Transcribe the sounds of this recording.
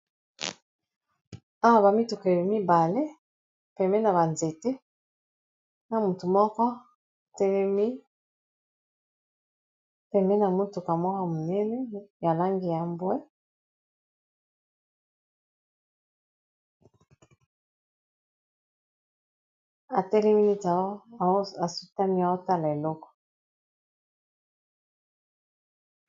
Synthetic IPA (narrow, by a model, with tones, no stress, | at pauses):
a˦wa˨ba˨mi˦tu˨ka˨a˨mi˦ba˨le˦ | pɛ˨mbɛ˦na˨ba˨nze˨te˦ | na˨mu˨tu˨mɔ˦kɔ˦˨ | tɛ˦lɛ˦mi˦ | pɛ˨mɛ˦na˨mu˦tu˨ka˨mɔ˦kɔ˦mu˨nɛ˦nɛ˦ja˨la˦ŋɡi˨ja˨mbwɛ˦ | a˨tɛ˦lɛ˦mi˦ni˦ta˨˦˨a˨su˦ta˦mi˦a˨wɔ˦ta˦la˨e˨lɔ˦kɔ̥˨